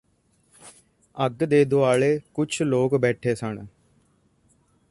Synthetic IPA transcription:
əɡd̪eːd̪oaːɭeːkʊt͡ʃʰloːkbɛːʈʰeːsəɳ

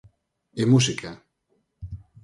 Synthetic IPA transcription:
emusikʰa

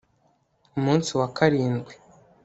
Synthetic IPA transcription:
umuːnsiwakaɾiːnɡɡwe

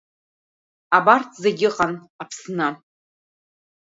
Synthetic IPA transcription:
abartʰzeɡʲɪqʼan | apʰsnɨ

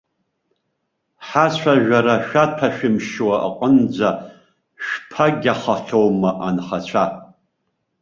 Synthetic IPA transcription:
ħat͡ɕʷʰaʒᶣaɾaʃᶣatʰaʃᶣɪmʃwaʔa̰qʼənd͡ʒʷa | ʃᶣpʰaɡʲaχaɬowmaʔanχat͡ɕʷʰa

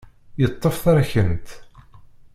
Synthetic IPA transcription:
jət̪ˤːəfθæɾæçənt̪

